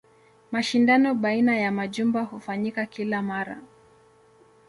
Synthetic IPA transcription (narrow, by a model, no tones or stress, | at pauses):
maʃindanɔɓainajamaʄumbahufaɲikakilamaɾa̰